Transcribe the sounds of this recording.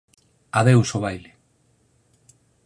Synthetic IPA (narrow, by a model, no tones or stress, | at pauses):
aðewsoβajle